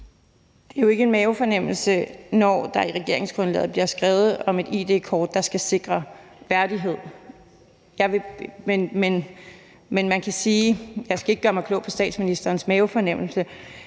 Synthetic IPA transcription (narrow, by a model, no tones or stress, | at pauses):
d̥e̝æjo̝e̝ɡ̥əe̝nmɛːofɒ̽nem̰l̩sənɒ̰d̥ɑ̈iʁɛɡ̥e̝ɐ̰e̝ŋsɡ̥ʁɔ̽nlɛ̰ːð̩ˠbliɐsɡ̥ʁɛːʊð̩ˠɒ̽me̝d̥ḭd̥e̝̰ːkʰɒːd̥ːɑ̈sɡ̥æse̝ɡ̥ʁɐ | ʋæɐdiɦe̝ð̞̰ˠ | jɑ̈ɪʋe̝menmen | menmænkʰæsiːjɑ̈ɪsɡ̥æeɡ̥əɡɶːɐmɑkʰlɔ̰̽ʊpʰɒ̽sd̥ɛ̰ːd̥sminisd̥ɐːnsmɛːofɒ̽nem̰l̩sə